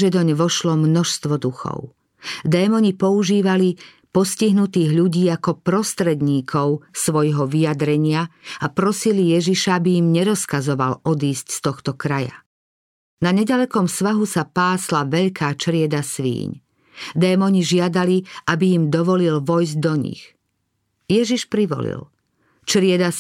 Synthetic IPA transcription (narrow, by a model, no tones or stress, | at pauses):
ʒɛd̪ɔɲʋɔʃlɔmnɔʃst̪ʋɔd̪uxɔ̰ʊ | d̪ɛːmɔɲipɔuʒiːʋali | pɔsciɦnut̪iːɣʎuɟiːakɔpɾɔst̪ɾɛd̪ɲiːkʰɔʊsʋɔjɦɔʋijad̪ɾɛɲɪaapɾɔsilijɛʒiʃaabiimɲɛɾɔskazɔʋa̰lɔd̪iːscst̪ɔxt̪ɔkɾaja̰ | naɲɛɟalɛkɔmsʋaɦusapaːslaʋɛʎkʰaːt͡ʃɾɪɛd̪asʋḭːɲ | d̪ɛːmɔɲiʒɪad̪aliʔabiimd̪ɔʋɔlilʋɔjzɟd̪ɔɲḭx | jɛʒiʃpɾiʋɔ̰lḭl | t͡ʃɾɪɛd̪a